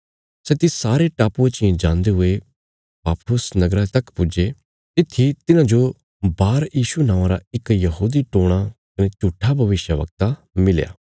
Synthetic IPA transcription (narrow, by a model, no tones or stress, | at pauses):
sɛt̪ɪsaːɾeʈaːpuẽt͡ʃiẽd͡ʒãːnd̪eɦʊe | paːpʰʊsnɐɡɾat̪ɐkpʊd͡ʒe | t̪ɪt̪ʰit̪ɪnãd͡ʒo | baːɾjiːʃunãːʋãɾa̰ɪkjɐɦuːd̪iʈoːɽ̃akɐnet͡ʃuːʈʰːabʱɐʋɪʃjəʋɐ̰k̚t̪a | mɪl̰ja̰ː